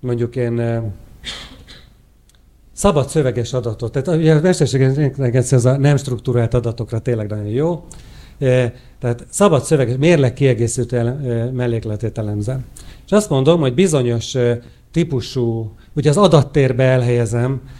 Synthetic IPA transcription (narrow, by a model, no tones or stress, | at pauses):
mo̞ɲɟukeːn | sɒbɒt̪sø̞vɛɡɛʃɒd̪ɒt̪o̞t̪ːaːt̪uɟɛmɛʃt̪ɛrʃeːɡɛnɛɡɛnsɛnɛzɒnɛmʃt̪rukt̪uɾaːlt̪ɒd̪ɒt̪o̞krɒt̪eːnlɛɡnɒɟo̞njoː | t̪ɛɦaːt̪sɒbɒt̪sø̞vɛɡɛʃmeːrlɛkːiɛɡeːsilt̪øɛlmɛlːeːklɛt̪eːt̪ɛlɛmzɛlʃɒst̪mo̞nd̪o̞mho̞ɟbizo̞ɲo̞ʃ | t̪ipuʃuː | uɟɛɒzɒd̪ɒt̪ːeːrbɛɛlɦɛjɛzɛm